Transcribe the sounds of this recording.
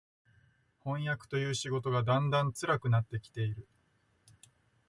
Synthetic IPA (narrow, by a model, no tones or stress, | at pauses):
hõ̞ɰ̃jakɯ̥t̪o̞jɯ̟ːɕiɡo̞t̪o̞ɡad̪ãnd̪ãnt͡sɨɾakɯ̟nat̪ːe̞kʲi̥t̪e̞iɾɯ̟